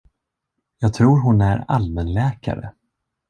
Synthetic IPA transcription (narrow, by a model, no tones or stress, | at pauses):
jɑːɡ̚t̪ʰɾuːɾɦʊnæɾa̰lmənlɛːka̰ɾə̰